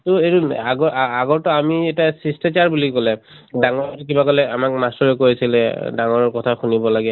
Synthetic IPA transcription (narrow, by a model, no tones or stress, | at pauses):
tʊeunaɡɔaɡɔɹtɔamiɛtasistat͡ʃaɹbulikolɛ | daŋɔɹɔtkibakɔlɛamak̚mastɔɹɛkojisilɛdaŋɔɹɔɹkɔtʰaxunibɔlaɡɛ